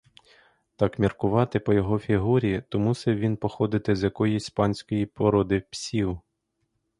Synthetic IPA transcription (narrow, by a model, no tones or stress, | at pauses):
t̪ɑkmʲirkʊʋɑt̪ɪpɔjɔɦɔfʲiɦuɾʲit̪ɔmusɛʋʲinpɔxɔd̪ɪt̪ɪzʲjɐkɔjisʲspɑnʲsʲkɔjipɔɾɔd̪ɪwpsʲiw